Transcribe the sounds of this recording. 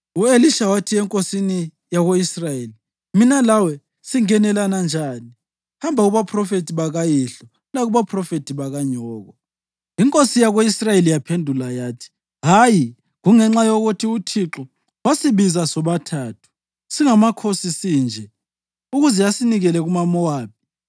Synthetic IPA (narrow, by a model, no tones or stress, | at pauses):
ueliʃawatʰiɛŋkʼosini | jaɣoisrajeːli | minalawɛ | siŋɛnɛlanand͡ʒʱaːni | hambʱaɣuβapʰrɔfetʰiβaɣajiɬɔ | laɣuβapʰrɔfetʰiβaɣaɲɔːɣɔ | iŋkʼosijaɣoisrajelijapʰendʱulajaːtʰi̥ | ɦaji | ɣuŋɛŋ͡ǁajoɣutʰiutʰiǁɔ | wasiβizasɔβatʰaːtʰu̥ | siŋamakʰosisind͡ʒʱɛ | uɣuzɛjasiniɣɛlɛɣumamɔwaːp̚ʰi̥